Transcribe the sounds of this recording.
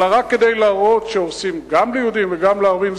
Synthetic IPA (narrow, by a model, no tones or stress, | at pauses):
laʁakːed̪e̞jlaːʁo̞t̪ʃeosimɡamlejhud̪imveɡamleaʁvimz